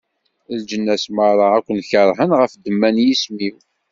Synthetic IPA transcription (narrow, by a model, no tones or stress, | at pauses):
ld͡ʒənːæsməɾˤɑækʷːənçəɾˤɦənʁəfd̪əmːænjismiw